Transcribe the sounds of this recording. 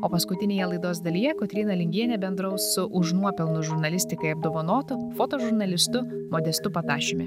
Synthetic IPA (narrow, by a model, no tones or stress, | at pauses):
oːpɐskʊt̪ʲɪnʲeːjɛlˠɐɪd̪oːsd̪ɐlʲijɛkɔt̪ʲɾʲiːnɐlʲɪŋʲɡʲiɛnʲɛbʲɛnd̪ɾɐʊssʊʔʊʒnuɔpʲɛlˠnʊʒʊɾnɐlʲɪsʲt̪ʲɪkɐɪɐb̚d̪oːʋɐnoːt̪ʊfoːt̪oːʒʊɾnɐlʲɪst̪ʊmɔd̪ʲɛst̪ʊpɐt̪ɑːʃʲɪmʲɪ